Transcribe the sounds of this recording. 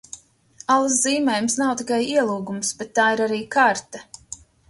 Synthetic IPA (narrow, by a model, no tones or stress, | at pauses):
alˠs̬ziːmɛjmsnawt̪ikajiɛlˠuːɡumsbet̪ːaːiɾaɾiːkaɾt̪ɛ